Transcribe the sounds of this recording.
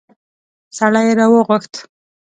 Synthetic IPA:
saɽajeɾɑwəɣʊxt̪

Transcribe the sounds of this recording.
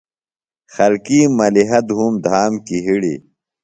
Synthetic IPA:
xɐlkiːmɐliɦɐd̪ɦuːmd̪ʱaːmkiɦiɽḭː

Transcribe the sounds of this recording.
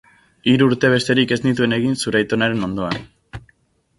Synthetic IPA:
iɾuuɾt̪e̞β̞e̞st̪e̞ɾike̞znit̪̬ue̞ne̞ɣ̞insuɾajt̪o̞naɾe̞no̞nd̪o̞an

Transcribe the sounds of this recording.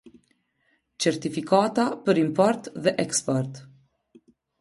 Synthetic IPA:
t͡ʃɛɾt̪ifikat̪apəɾimpɔɾt̪ðɛʔɛkspɔɾt̪

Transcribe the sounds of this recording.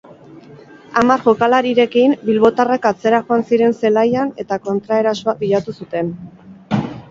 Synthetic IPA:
amaɾʝo̞kalaɾiɾe̞kimbilβo̞t̪arakat͡se̞ɾaxoansiɾe̞nse̞lajane̞t̪ako̞nt̪ɾae̞ɾasoabiʎat̪usut̪e̞n

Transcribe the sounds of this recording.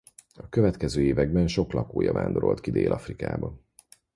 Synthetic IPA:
ɒkøvɛt̪kɛzøːeːvɛɡbɛnʃo̞klɒkoːjɒva̰ːnd̪o̞ɾo̞̰lt̪kid̪ḛːlʔɒfrika̰ːbɒ

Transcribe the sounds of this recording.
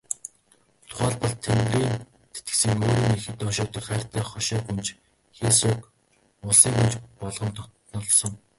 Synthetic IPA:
t̪ʰʊ̥χaːɮpə̆ɮt̪ʰemɡriːn | t̪e̥t̪ɡɘ̥̆sɘ̆ŋoːɾiːŋexɘ̆t̪ɔʃʊːt̪ɞ̆kχæːr̥ʲt̪ʰæːχɔʃɔːkunt͡ɕ | xeːsɔːk | ʊɮsiːŋkunt͡ɕpɔɮʁɞ̆nt̪ʰɔt̪nɞ̆ɮsɞ̆ŋ

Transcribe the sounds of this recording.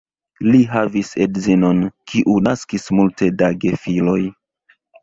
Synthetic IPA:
liɦavisedzino̞nkʰiʔunaskismulte̞daɡe̞filo̞j

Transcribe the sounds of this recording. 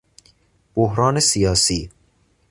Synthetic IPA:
b̥ohɾɒːne̞sijɒːsiː

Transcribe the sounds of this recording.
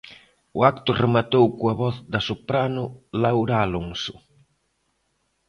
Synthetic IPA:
ʊakt̪ʊremat̪owkoɐβɔθd̪ɐsopɾanʊlawɾaːloŋsʊ̥

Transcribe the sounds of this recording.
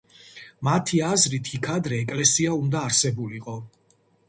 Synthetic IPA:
mat̪ʰiazɾit̪ʰikʰad̪ɾɛːkʼlɛsiaund̪aːɾsɛbuliqʼɔ

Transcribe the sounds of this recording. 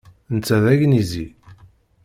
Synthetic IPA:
nt͡sːæðæʝnizi

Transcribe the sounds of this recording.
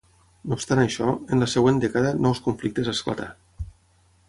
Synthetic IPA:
nopst̪anajʃɔənləsəɣwend̪ekaðənɔwskuɱflik̚t̪əzaskla̰t̪a̰

